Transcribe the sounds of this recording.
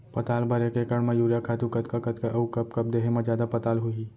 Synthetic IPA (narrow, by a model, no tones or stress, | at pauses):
pɐt̪aːlbɐɾekekɐɽmãjuːɾjakʰaːt̪ũkɐt̪kakɐt̪kɐukɐpkɐp̚d̪eːɦemãd͡ʒjaːd̪apɐt̪aːlɦʊi